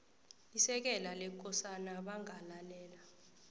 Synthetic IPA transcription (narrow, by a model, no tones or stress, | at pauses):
isɛk̬ɛlalɛk̬ʼɔsanaɓaŋalalɛːla